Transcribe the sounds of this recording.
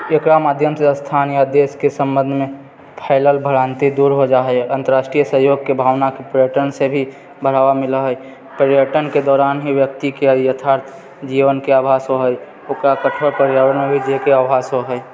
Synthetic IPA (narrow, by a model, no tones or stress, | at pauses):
ekɾamaːd̪ʱjəmsest̪ʰaːnjad̪eːskesə̃mbə̃nd̪ʱmẽ | pʰaːɪləlbʱəɽaːnt̪id̪uːɾɦod͡ʒaːɦɛʔɐ̃nt̪əɾaːʃʈɾijəsəɦjoːɡ̚kebʱaːʋnakepɾjəʈənsebʱi | bʱəɽ̤aːʋamɪləɦɛj | pəɾjəʈənked̪ɔːɾaːnɦiʋjək̚t̪ikejət̪ʰaːɾt̪ʰ | d͡ʒiːʋənkeaːbʱaːsɦoɦəj | ʊkɾakətʰoɾpəɾjawənẽbʱid͡ʒekeaːbʱaːsɦoɦɛj